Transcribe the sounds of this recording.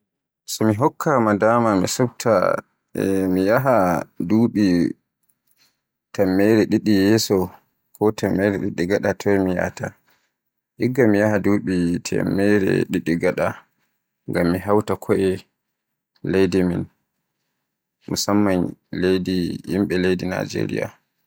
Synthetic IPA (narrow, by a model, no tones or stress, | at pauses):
sɔmiɦɔkʰːamadamamḭsɔb̚tʰa̰ | mijaɦaduːɓi | tɛmːɛɾɛɗiɗijɛsɔ | kʰɔtamːɛɾɛɗiɗːiɡaɗatʰɔɛmija̰ta | ʔiɡːamijahaduːɓitʰɛ̰mːɛɾɛ̰ɗiɗiɡaɗa | ŋɡamːiɦawtakʰɔʔɛ | lejdimḭn | musamːanlejdihimɓɛlejdina̰d͡ʒḛɾḭja̰